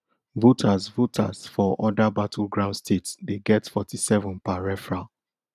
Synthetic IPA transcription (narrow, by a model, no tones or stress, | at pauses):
votʰasvotʰasfɔʔɔdabatʰulɡɹãʊ̃ndstʰetsdeɡɛtfɔtisɛvɔ̃npaɹɛfɹa